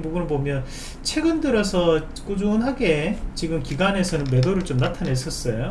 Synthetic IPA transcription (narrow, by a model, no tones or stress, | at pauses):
boɡunɯnpomjʌn | t͡ɕʰe̞ɡɯndɯɾʌsʰʌ | k͈ud͡ʑunɦaɡe̞t͡ɕiɡɯmkiɡane̞sʰʌnɯnme̞doɾɯɭt͡ɕomnatʰane̞s͈ʌs͈ʌjo